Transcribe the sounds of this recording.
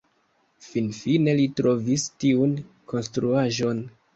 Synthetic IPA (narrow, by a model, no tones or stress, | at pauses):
finfine̞litɾo̞vistiun | ko̞nstɾuaʒo̞n